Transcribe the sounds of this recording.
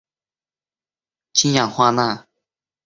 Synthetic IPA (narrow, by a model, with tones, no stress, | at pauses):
t͡ɕʰi˥nja˨˩ŋxwa˥˧na˥˨